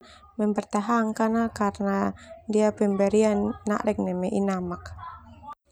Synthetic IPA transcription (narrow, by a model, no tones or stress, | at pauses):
mɛmbɛrt̪aɦaŋkanakarnadiapɛmbɛɾianːa̰ʔlɛk̚nɛmɛʔinamak